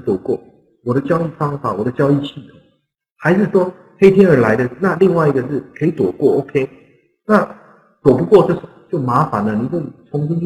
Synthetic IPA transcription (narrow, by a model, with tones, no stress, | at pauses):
t̪wɔ˨˩kwɔ˥˩ | wɔ˨˩ɾə˦t͡ɕjɑ˥ʊi˥˩fɑ˥ŋfa˨˩˦wɔ˨˩d̪ə˦t͡ɕjɑ˥ʊi˥˧ɕʰi˥˩t̪ʰo˨˩˦ | xa˧˥ɪʂɻ̩˥˩ʂwɔ˥ | xe˥ɪt̪ʰjɛ˥nə˞˧˥la˧˥ɪd̪ə˧˥˧na˥˧li˥˧ŋwa˥˩ɪi˧˥ɡə˨˧ʂ̬ɻ̩˥˩kʰə˧˥i˧˥˦t̪wɔ˨˩kwɔ˥˩o˥ʊkʰe˥ɪ | na˥˩ | t̪wɔ˨˩pu˧˥kwɔ˥˧ʈ͡ʂɤ˥˩ʂt͡ɕjo˥˩ʊma˧˥fa˨˦nə˨ni˨˩kwe˥˩t͡sʰʊ˧˦˥ŋɕi˥nt͡ɕʰ